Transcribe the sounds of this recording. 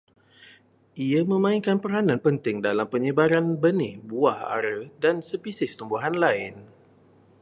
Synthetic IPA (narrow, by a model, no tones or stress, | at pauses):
ʔiamə̃mãɪŋkanpəɾanãnpənt̪ɪŋdalampəɲəbaɾanbənɪhbuaha̰ɾədansəpisɪst̪umbuɦanlaɪn